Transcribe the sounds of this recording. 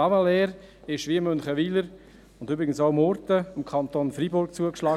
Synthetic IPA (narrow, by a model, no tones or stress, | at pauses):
ɑməlɛːɾ | ɪʃʋiəmɵnχəʋiːləɾ | ʊndyːbɾɪɡənsoʊmɔɾtəɪmkʰɑnt̪oːnfɾibʊɾkt͡suəkʃlɑː